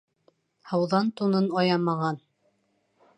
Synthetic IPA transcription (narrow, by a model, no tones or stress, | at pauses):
hɑwðɑnt̪unɤnɑjɑmɑʁɑn